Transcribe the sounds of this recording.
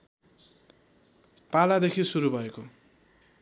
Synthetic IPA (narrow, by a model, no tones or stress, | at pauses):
palad̪ekʰisuɾubʱʌeko